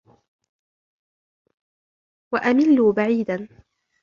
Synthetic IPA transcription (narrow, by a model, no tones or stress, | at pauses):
waʔamɪlːuːbaʕiːd̪an